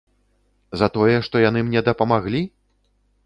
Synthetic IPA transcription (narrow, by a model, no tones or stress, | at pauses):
zɐt̪ɔjɛʂt̪ɔjan̪ɨmnʲɛd̪ɐpɐmaɣlʲi